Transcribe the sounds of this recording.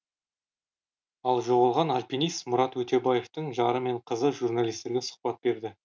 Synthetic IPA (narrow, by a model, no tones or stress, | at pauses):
ɑlˠʒo̞ʁɑlˠʁɑnalʲpʲinijst̪mʊɾɑt̪wɵt̪e̞baje̞ft̪əɴʒɑɾəme̞ɴqʰəzəʒurnalʲˠijst̪e̞ɾɡʲesʊ̥qpɑt̪̚be̞ɾd̪ɪ